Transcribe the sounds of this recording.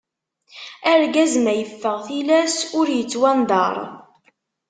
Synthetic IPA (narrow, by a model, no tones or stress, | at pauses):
æɾɡæzmæjəfːəʁθilæsʊɾjət͡sːwænd̪ˤɑ̰ɾˤ